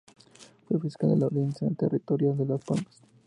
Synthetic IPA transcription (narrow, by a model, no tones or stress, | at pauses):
fwefiskald̪elalinsaent̪erʔit̪oɾjald̪elaspalmas